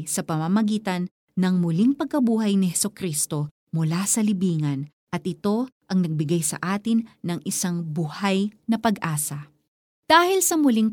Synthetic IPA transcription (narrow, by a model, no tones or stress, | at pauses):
sɐpɐmamɐɡiːt̪ɐnː | ɐŋmʊliŋpɐɡ̚kɐbuːɦɐjnɪhɛsokɾist̪o̞ | mʊlasɐlɪbiːŋɐn | ʔɐt̪̚ʔɪt̪o̞ʔɐŋnɐɡ̚bɪɡajsɐ̰ʔaːt̪ɪnːɐŋʔɪsaŋbʊhajnɐpɐɡʔaːsɐ | d̪̥aːhɪlsɐmʊliŋ